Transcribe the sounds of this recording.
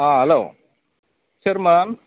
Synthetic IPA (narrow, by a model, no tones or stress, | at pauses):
aːɦɐlo̰ː | ɕɐɾmaːn